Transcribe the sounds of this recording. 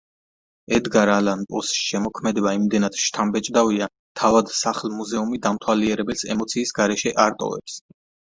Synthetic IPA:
ɛd̪ɡaɾalanpʼɔsʃɛmɔkʰmɛd̪ɛbaimd̪ɛnat̪ʃt̪ʰambɛt͡ʃʼd̪avia | t̪ʰavad̪saχlmuzɛumid̪amt̪ʰwaliɛɾɛbɛlsɛ̰mɔt̪sʰiːsɡaɾɛʃɛʔaɾt̪ʼɔ̰vɛ̰ps

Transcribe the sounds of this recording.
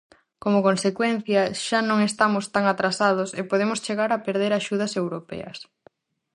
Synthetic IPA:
komokonsekwen̟θjɐʃanõŋest̪amʊst̪aŋat̪ɾasað̞osepoðemʊst͡ʃeɣaɾapeɾðeɾaʃuð̞ɐsewɾopɛ̰ɐ̰s

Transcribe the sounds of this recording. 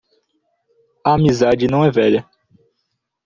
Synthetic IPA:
ɐamizad͡ʒɪnɐ̃w̃ɛvɛʎɐ

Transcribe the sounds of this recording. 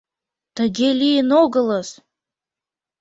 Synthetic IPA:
t̪ə̆ɡʲelʲijənoɡələs

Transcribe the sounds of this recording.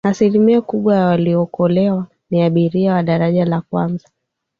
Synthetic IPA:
asilimiɔkuɓwajawaliɔkɔlɛwa | niaɓiɾiawaɗaɾaʄalakwa̰nza

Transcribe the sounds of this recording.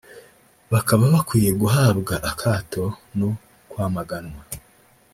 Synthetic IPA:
βakaβaβakwiːje̞ɡuɦaːbɡaʔakʰaːtʰo̞no | kwaːmaɡanwa

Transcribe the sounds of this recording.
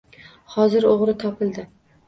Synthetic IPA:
hɒzɪɾoʁɾɪt̪ʰɒpʰɪlˠd̪ɪ

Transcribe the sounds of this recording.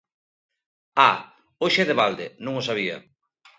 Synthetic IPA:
a | oʃeðeβald̪enõŋosaβ̞ia̰

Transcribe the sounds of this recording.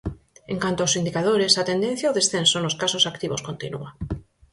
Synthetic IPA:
eŋkant̪oaowsind̪ikað̞oɾesat̪end̪ẽn̟θjaoðesθensonoskasosakt̪iβo̰skont̪ḭnṵa

